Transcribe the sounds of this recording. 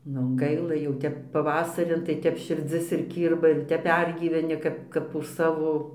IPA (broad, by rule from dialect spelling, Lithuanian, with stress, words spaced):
nʊ ˈɡɐɪlˠɐ jɛʊ ˈtʲɛp pɐˈʋɑːsɐrʲɪn tɐɪ ˈtʲɛp ʃʲɪrʲˈd͡zʲɪs ɪr ˈkʲiːrbɐ ɪr ˈtʲɛp ˈpʲɛrʲɡʲiːʋʲɛnʲɪ ˈkɐp kɐp ʊʃ ˈsɑːʋoː